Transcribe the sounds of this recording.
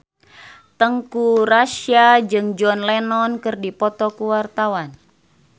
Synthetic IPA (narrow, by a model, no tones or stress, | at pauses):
t̪əŋkuɾaʃiad͡ʒɨŋd͡ʒɔnlɛnɔnkɨrdipɔt̪ɔkuwart̪awan